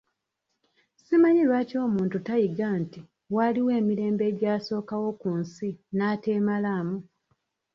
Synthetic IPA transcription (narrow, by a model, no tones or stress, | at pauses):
simaɲiwaːco̞ːmuːntutajiɡanti | waliwe̞ːmiɾe̞ːmbe̞ɟaːso̞ːkawo̞kunsinaːteːmalaːmu